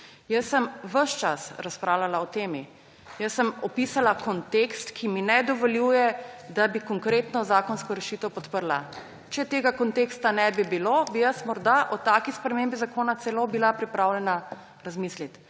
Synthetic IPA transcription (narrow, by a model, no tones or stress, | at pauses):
jəsːəmʋəʃt͡ʃasɾaspɾaːwlalaɔt̪eːmi | jəsːəmɔpiːsalakɔnt̪ekst̪kʰiminɛd̪ɔʋɔljuːjɛd̪abikɔŋkɾeːt̪nɔzaːkɔnskɔɾɛʃiːt̪əwpɔt̪pəɾla | t͡ʃɛt̪eːɡakɔnt̪eːkst̪anɛbibiloːbijəsmɔɾd̪aʔɔt̪aːkispɾɛmembizakoːnat̪sɛlobilapɾipɾawljɛna | ɾazmislit̪